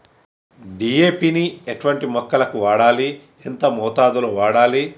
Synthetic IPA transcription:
ɖieːpiːnieʈuʋɐɳʈimɔkːɐlɐkuʋaːɽaːli | ent̪ɐmɔːt̪aːd̪uloʋaːɽaːli

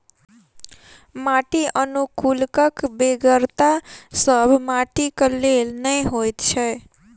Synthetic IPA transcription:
maʈiʔənukulkəkbeɡəɾt̪asəbʱmaʈikəlelnəĩɦojt̪t͡ʃʰe

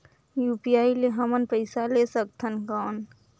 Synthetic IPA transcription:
juːpijaːileɦɐmənpəɪsaleːsək̚t̪ʰənkaːn

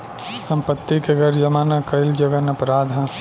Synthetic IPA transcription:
sɐ̃mpət̪ːikeɡɐɾd͡ʒɐmaːnakɐɪld͡ʒɐɡənɐpɾaːd̪ʱɦã

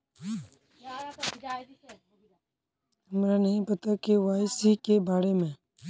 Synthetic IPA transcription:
ʊmɾanɐɦĩpɐt̪akeʋaːɪsikebaːɾemẽː

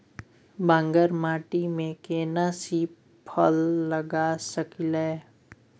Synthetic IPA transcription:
bə̃ŋɡəɾmaːʈimẽkeːnasiː | pʰəlːəɡasəkileː

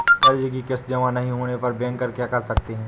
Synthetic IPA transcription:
k̪ɐɾd͡ʒikikɪsd͡ʒɐʋãnɐɦĩɦoːnepɐɾbɛ̃ːŋkːɐɾkjakɐɾsɐkt̪eɦɛ̃ː

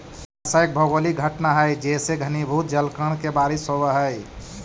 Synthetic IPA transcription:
əsaek̚bʱəɡoliɡʱəʈnaɦəjd͡ʒeseɡʱənibʱut̪̚d͡ʒəlkəɳ̃kebaɾisɦobəɦəj

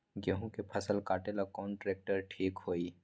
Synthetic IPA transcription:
ɡeɦũkepʰɐsəlkaːʈelakɔːnʈɾeːk̚ʈəɾʈʰiːkɦoːiː

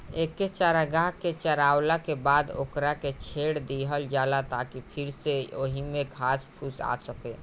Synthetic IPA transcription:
ekːet͡ʃaɾaɡaket͡ʃəɾaːwlakebaːd̪o̰ːkɾaket͡ʃʰeːɽd̪iɦəld͡ʒaːlat̪akipʰɪɾseoːɦimẽkʰaːspʰusa̰səke

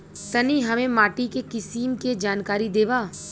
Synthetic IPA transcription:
t̪ɐniɦɐmẽmaːʈikekɪsiːmked͡ʒaːnkaːɾid̪eːʋaː

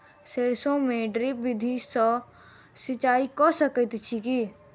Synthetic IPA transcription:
seːɾsõmẽɖɾibɪd̪ʱisɔ | sɪt͡ʃaːikɔsəkət̪t͡ʃʰiki

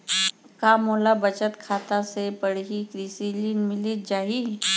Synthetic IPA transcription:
kaːmoːlabət͡ʃət̪kʰaːt̪asepəɽ̤ɦikɾiːsiliːnmɪlit̪̚d͡ʒaːɦi

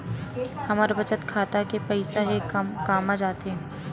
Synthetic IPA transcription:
hɐmaːɾebɐt͡ʃət̪kʰaːt̪akepɛɪsaɦekmkaːmad͡ʒaːt̪eɦɛ̃ː

